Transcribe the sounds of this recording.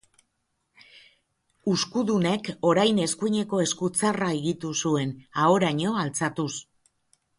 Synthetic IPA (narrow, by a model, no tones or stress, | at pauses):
uskuðune̞ko̞ɾajne̞skuɲe̞ko̞e̞skut͡saraeɣit̪usue̞nao̞ɾaɲo̞alt͡sat̪us